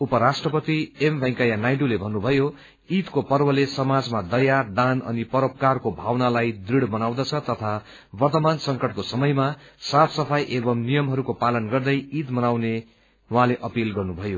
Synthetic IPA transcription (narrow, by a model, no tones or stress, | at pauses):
upʌɾasʈrʌpʌt̪iembʱʌj̃kajanajɖulebʱʌnːubʱʌjo | it̪kopʌrbʌlesʌmad͡zmad̪ʌjad̪anʌ̰nipʌɾʌp̚karkobʱawnalajd̪riɽbʌnawd̪ʌt͡sʰʌt̪ʌt̪ʰa | bʌrt̪ʌmansʌŋkʌʈ̚kosʌmʌjmasapʰsʌpʰajʔebʌmnijʌmɦʌɾukopalʌnɡʌrd̪ʌjit̪mʌnawne | wãleʔʌpilɡʌrnubʱʌjo